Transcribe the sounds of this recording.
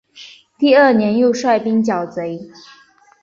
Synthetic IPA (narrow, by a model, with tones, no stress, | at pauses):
t̪i˥˧ə˥˩njɛ˧˥njo˥˧ʊʂwa˥˩ɪpi˥ŋt͡ɕjɑ˨˩ʊt͡se˧˥ɪ